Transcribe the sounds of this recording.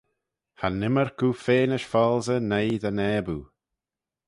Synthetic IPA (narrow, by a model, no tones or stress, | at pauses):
hanɪməɹkʰuːfeːnəʃfɔlˠzənejd̪ənɛːbuː